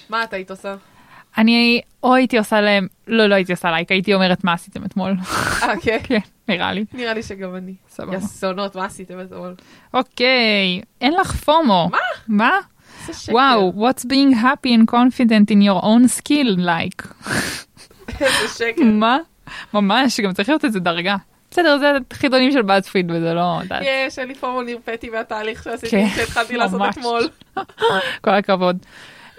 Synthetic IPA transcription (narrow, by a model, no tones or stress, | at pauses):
maːt̪aːit̪osa | ani | oaitiosaleemlo̞loaitiosalajkaitio̞meʁetmaːsit̪emetmo̞lakekʰenniʁa̰liniʁaliʃeɡamanisa̰baasonot̪maːsit̪emet̪mol | ʔokejenlaχfomomama | wawwotsbĩːŋɡɦapiɛ̃nkonfidentinjoʁʔõnskillajk | eʃekma | mamaʃɡamt͡saʁiχlijotezedɐʁɡa | besedeʁzeχidonimʃelbazfidvezelod̪a̰jeʃenlifomoniʁpet̪iveat̪aːliχʃeasitʃeit̪χalt̪ilaːomet̪mol | kolakavo̞d